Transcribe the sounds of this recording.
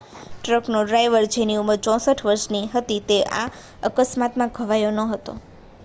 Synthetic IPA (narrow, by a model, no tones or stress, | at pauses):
ʈɾəknoɖɾajʋəɾd͡ʒeniuməɾt͡ʃɔ̃səʈʰʋəɾʃniɦət̪it̪eʔa̰ | əkəsmat̪mãɡʱəʋajonəɦət̪o̰